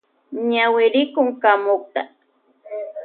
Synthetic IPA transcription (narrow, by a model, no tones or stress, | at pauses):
ɲawɪɾɪkʊŋkamok̚t̪a̰